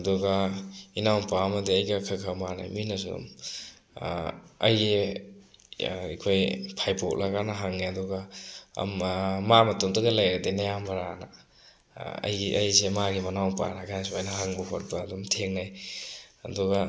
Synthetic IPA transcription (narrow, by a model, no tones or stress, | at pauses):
ɐduɡɐinawnpaɐmɐdiɐjɡɐkʰakʰamana̰jminɐs̬ṵm | ɐj | ikʰojpʰajpʰok̚lakanɐɦaŋneɐduɡɐ̰mmamɐtomdɐɡɐlajɾadenɐjambɐɾana | ɐ̰jɐ̰jsemaɡimɐnawpa̰nakʰans̬uajnɐɦaŋbɐɦɔ̰ɾ̚bɐːdumtʰeŋnaj | ɐduɡa